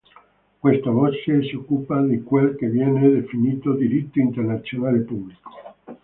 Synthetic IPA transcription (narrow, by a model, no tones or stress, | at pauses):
kwest̪aβot͡ʃeseokːupad̪ikwelkeβjɛned̪efinit̪od̪iɾit̪ːoint̪eɾnat̪sjonalepubliko̥